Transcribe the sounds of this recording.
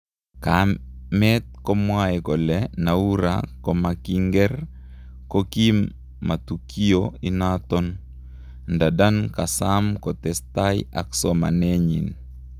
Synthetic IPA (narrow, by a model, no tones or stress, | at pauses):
kamɛt̪̚kɔmwaɛkɔlɛnauɾa̰kɔmakiŋɡɛr | kokimː | at̪ukʰioinat̪ɔn | ndadankasamkɔt̪ɛstaja̰ksɔma̰nɛɲḭn